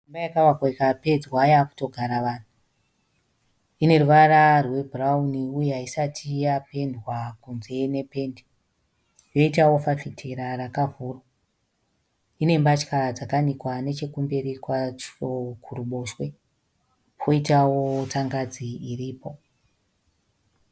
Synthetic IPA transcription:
umbajakaʋakoikape̞d͡zwajaku̥to̞ɡʱaɾaʋaːn̤u | ine̞ruʋararwe̞bʱurauniujeɦaisatʰijape̞ndwakunze̞ne̞pe̞ːndi | jo̞itawo̞fafitʰeɾarakavurwo | ine̞mbat͡ʃkad͡zakanikwane̞t͡ʃe̞kumbeɾikwat͡ʃokʰuruɓo̞ʃwe̞ | pʰo̞itawo̞taŋɡad͡ziiriːpo̞

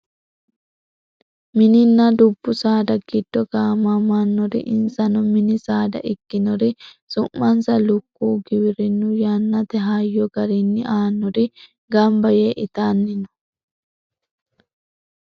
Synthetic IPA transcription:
mɪnɪnːɐd̪ʊbːʊsaːd̪ɐɡɪd̪̥ːɔɡaːmamaːnːɔɾɪ̰ʔɪnsɐnɔmɪnɪsaːd̪ɐ̰ʔɪkːɪnɔɾɪ | sʊmːɐnsɐlʊkːuːɡɪbɪɾɪnːʊjanːɐt̪ɛɦaːjːɔɡɐɾinːɪʔaːnːɔɾɪ | ɡɐmbɐjeʔɪt̪aːnːɪnɔ̥

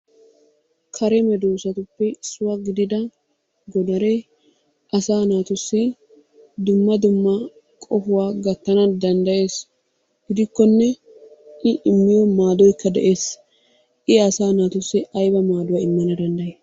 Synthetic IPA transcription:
kʰɐɾɛmɛd̪uːsɐt̪ʊpːɛsʊwaɡɪd̪ɪd̪ɐ | ɡɔd̪ɐɾɛ | ʔɐsaːnaːt̪ʊsːɪ | d̪ʊmːɐd̪ʊmːɐ | kʼɔfʊwaːɡɐt̪ːɐnɐd̪ɐnd̪ɐje̞ːs | ɡɪd̪ɪkːɔnːɛ | ʔɪʔɪmːɪjɔmaːd̪ɔjkːɐd̪ɛʔe̞ːs | ʔɪɐsaːnaːt̪ʊsːɪɐjbɐmaːd̪ʊwɐɪmːɐnɐd̪ɐnd̪ɐje

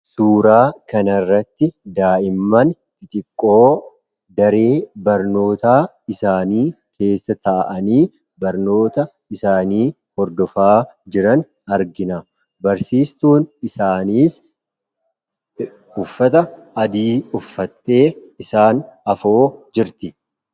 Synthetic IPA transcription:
suːɾaːkɐnɐrːɐt̪ːɪd̪aːʔɪmːɐn | ɪt̪ʼɪkʼːo̞ː | d̪ɐɾe̞ːbɐɾno̞ːt̪aː | ɪsaːniː | kʰe̞ːsːɐt̪ɐʔʔɐniː | bɐɾno̞ːt̪ɐ | ɪsaːniː | hɔɾd̪ɔfaːd͡ʒɪɾɐn | ɐɾɡɪnɐ | bɐɾsiːst̪uːnɪsaːniːs | ʊfːɐt̪ɐ | ɐd̪iːʊfːɐt̪ːe̞ː | ɪsaːnɐfoːd͡ʒɪɾt̪ɪ

